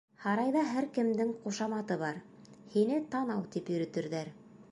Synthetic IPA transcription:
hɑɾɑjðɑɦæɾkɘ̆md̪ɘŋquʃɑmɑt̪ɤβɑɾ | hinɘt̪ɑnɑwt̪ipjɵ̆ɾɵ̆t̪ɘ̆ɾðæɾ

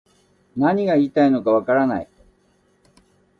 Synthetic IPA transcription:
naɲ̟iɡaiːt̪aino̞kaβ̞akaɾana̰i

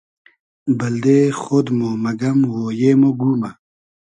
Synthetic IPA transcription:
bɐld̪eːxod̪momɐɡɐmwoːjeːmoɡuːmɐ

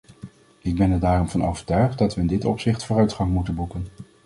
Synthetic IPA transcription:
ɪɡ̚bɛnɛɹdaːrɔmvɑno̰wvəɹtœɥχt̚dɑtʋəɪndɪtɔpsɪχtfoːrœɥtχɑŋmutənbukən

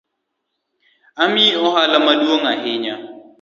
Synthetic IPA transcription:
amiɔɦalamadwoŋaɦɪɲa

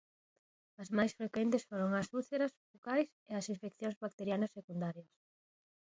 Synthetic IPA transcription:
ɐzmajsfɾekwent̪ɪsfoɾoŋɐsuθeɾɐsfukajseɐsiɱfekθjõŋzβak̚t̪eɾjanɐsːekund̪aɾjɐs

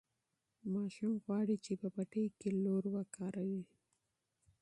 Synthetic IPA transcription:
mɑʃumɣwɑɽit͡ʃepəpaʈejkeloɾwakɑɾawi

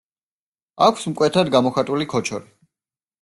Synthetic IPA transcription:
akʷʰsmkʼwɛt̪ʰad̪ɡamɔχat̪ʼulikʰɔt͡ʃʰɔɾi

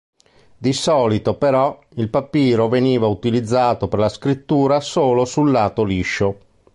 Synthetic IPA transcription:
d̪isɔːlit̪opɛɾɔ | ilpapːiːɾoveniːvaut̪ilid̪zːaːt̪operlaskɾit̪ːuːɾasoːlosulːaːt̪oliʃːo

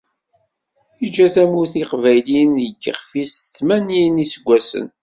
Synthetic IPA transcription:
id͡ʒːæθæmuθiqvæjlinðəɡːə̰χfisə̥t͡sːmæninisəɡʷːæsə̰n

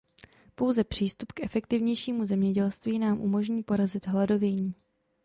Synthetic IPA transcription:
po̞wzɛpr̝̥iːst̪upkɛfɛkt̪ɪvɲɛjʃiːmuzɛmɲɛɟɛlst̪viːnaːmʔṵmo̞ʒɲiːpo̞ɾazɪd̪ɦlado̞vjɛɲiː

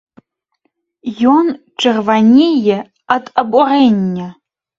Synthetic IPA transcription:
jon | ʈ͡ʂʰʼɨrvanʲejɛ | atʼɐbʷʼɔrenʲːɛ

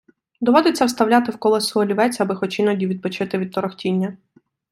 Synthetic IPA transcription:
d̪ɔʋɔd̪et͡sʲːɐwst̪ɐwlʲat̪ɪwkɔlˠɛsɔɦɔlʲiʋɛt͡sʲɐbɪxɔt͡ʃɪnɔdʲiʋʲid̪̚pɔt͡ʃɪt̪ɪʋʲid̪̚t̪ɔɾɔxtʲinʲːɐ

